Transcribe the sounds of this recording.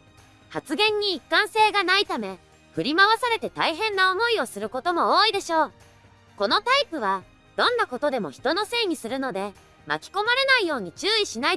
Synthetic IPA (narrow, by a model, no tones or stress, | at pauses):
hat͡sɨɡẽ̞ɲ̟ːiːkːãɰ̃se̞ːɡanait̪ame̞ | ɸɯ̟ɾʲimaβasaɾe̞t̪e̞t̪aiɦẽ̞nːao̞mo̞io̞sɨɾɯ̟ko̞t̪o̞mo̞oːid̪e̞ɕo̞ː | ko̞no̞t̪aipɯ̟β̞a | d̪̥õ̞nːako̞t̪o̞d̪e̞mo̞̰çi̥t̪o̞no̞se̞ːɲ̟isɨɾɯ̟no̞d̪e̞ | ma̰kʲi̥ko̞maɾe̞naijo̞ːɲ̟it͡ɕɨːiɕinai